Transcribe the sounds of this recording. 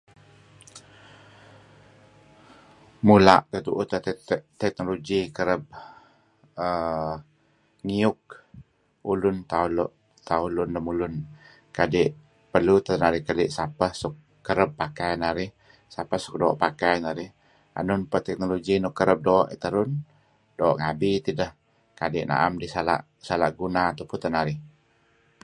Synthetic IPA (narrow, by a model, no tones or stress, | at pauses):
mula̰ʔt̪ət̪uʔʊt̪ət̪ɛk̚noloɡikəɾəb̚ | ə | ŋiʊk̚ | ulʊnt̪alʔ | t̪aulʊnləmulʊn | kadɪʔ | pərlut̪ənaɾɪhkalɪʔsapəhsukːəɾəpːakajnaɾɪh | sapəhsuk̚doɔʔpakajnaɾɪh | a̰nʊnpət̪ɛk̚noloɡinukəɾəp̚doːʔḭt̪əɾʊn | doːʔŋabit̪idəh | kadɪʔna̰ʔa̰mdisala̰ʔ | sala̰ʔɡunat̪apʊnt̪ənaɾɪh